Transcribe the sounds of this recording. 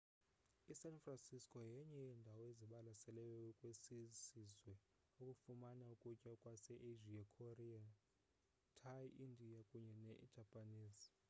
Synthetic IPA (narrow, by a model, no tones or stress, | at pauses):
isanfransiskʼɔjɛɲɛjɛndʱawɔeziɓalasɛlɛjɛkʼwesisizwɛ | ukʼufumanaukʼut͡ʃʼakʼwasɛʔeʒiakʰoria | tʰajiindʱiakʼuɲɛnɛʔd̥ʒ̥ʱapʼaniːzi